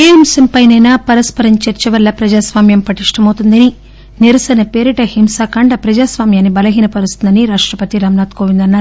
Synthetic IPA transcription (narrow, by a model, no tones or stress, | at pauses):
eːɦimsɐmpɐjnɐjnaːpɐɾɐspɐɾɐɲt͡ʃɐɾt͡ʃɐʋɐlːɐpɾɐd͡ʒaːsʋaːmjɐmpɐʈiʂʈɐmɐwt̪und̪ɐni | niɾɐsɐnɐpeːɾiʈɐhimsaːkɐɳɖɐpɾɐd͡ʒaːsʋaːmjaːnːibɐlɐɦiːnɐpɐɾust̪und̪ɐniɾaːʂʈɾɐpɐt̪iɾaːmnaːt̪koːʋind̪ɐnːaːɾu